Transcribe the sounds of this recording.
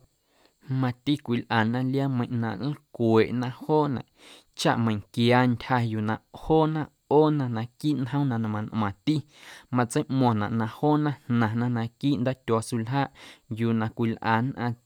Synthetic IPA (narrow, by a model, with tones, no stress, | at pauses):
mã˧t̪i˦kʷi˨lʔaː˨nʔã˧lja˦mə̃˧j̃ʔnã̰˧˨ʔnĩ˦kwe˨ʔnã˧ʔhoː˦nã̰˨ʔ | t͡ʃa̰˦ʔmə̃˨ŋkjaː˧ntʲha˧juː˨nã˨hoː˦nã˧ʔ | oː˦nã˧nã˧kiː˦nɦə̃˦wnã˧˨nã˧mã˧nʔm̃ã˨t̪i˦ | mã˧t͡sə˦jʔmɔ̃˧˨nã̰˨ʔnã˧ʔhoː˦nã˦nnã˨nã˦nã˧kiː˦ʔnd̪aː˦t̪ʲɔ˧su˧˨lɦaː˦ʔjuː˨nã˨kʷi˨lʔaː˨nʔã˧